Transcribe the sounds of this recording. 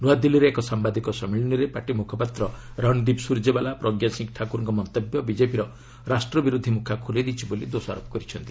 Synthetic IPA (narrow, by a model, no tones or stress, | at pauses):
nuad̪iliɾeːkɔsambad̪ʱikɔsɔmiɭiniɾepaʈimukʰɔpat̪ɾɔɾɔnɖibsuɾd͡ʒebalapɾɔɡjasiŋkʈʰakuɾɔŋkɔmɔnt̪ɔbjɔbid͡ʒepiɾɔ | ɾasʈɾɔbiɾud̪ʱimukʰakʰulid̪it͡ʃʰibolid̪osɔa̰ɾɔpɔ̥kɔɾit͡ʃʰɔnt̪i